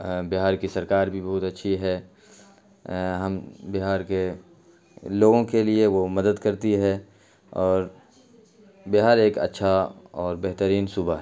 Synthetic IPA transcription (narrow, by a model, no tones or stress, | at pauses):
bɪɦaːɾkisɐɾkaːɾbʱibɐɦʊt̪ɐtːʃʰiɦɛ | ɦɐmbɪɦaːɾke | loːɡõkelieʋomɐd̪əd̪kɐɾt̪iɦɛ | ɔːɾ | bɪɦaːɾeːkɐ̰tːʃʰaɔːɾbɛɦt̪əɾiːnsuːbaɦɛ